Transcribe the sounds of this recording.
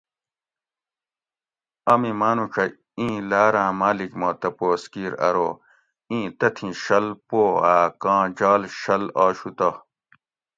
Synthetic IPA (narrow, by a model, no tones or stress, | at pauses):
ɐmimaːnũʈ͡ʂʰɐ | ĩːlaːɾãːmaːlikmot̪ɐpoːskiːɾɐ̰ɾoː | ĩːt̪ɐt̪ʰĩɕɐlpoːaːkãːd͡ʑaːlɕɐlaːɕut̪ɐ